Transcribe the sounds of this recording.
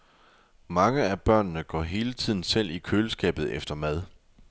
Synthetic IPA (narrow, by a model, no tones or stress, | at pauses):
mɑ̈ŋəæb̥ɶɐ̰nːəɡ̥ɒ̰ːɦe̝ːlət͡sʰið̞̰ˠn̩sel̰ikʰøːləsɡ̥ɛ̰ːb̥ð̞̩ˠefd̥ɐmæð̞ˠ